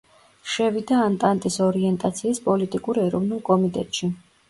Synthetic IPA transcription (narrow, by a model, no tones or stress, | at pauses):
ʃɛvid̪aːnt̪ʼant̪ʼisɔɾiɛnt̪ʼat̪sʰiːspʼɔlit̪ʼikʼuɾɛɾɔvnulˠkʼɔmit̪ʼɛt̪ʼʃi